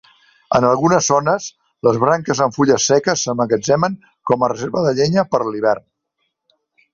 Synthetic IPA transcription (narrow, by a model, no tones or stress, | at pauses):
ənəlˠɣunəzːonəs | ləzβɾaŋkəzəɱfuʎəsːɛkəsːəməɣəd͡ʒɛməŋ | kɔmərəzeɾβəðəʎeɲəpəɾliβɛrn